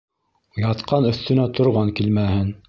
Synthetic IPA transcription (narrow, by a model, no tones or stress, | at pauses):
jɑt̪qɑnɵ̆θt̪ɵ̆næt̪ʰŏɾʁɑŋkilmæhɘn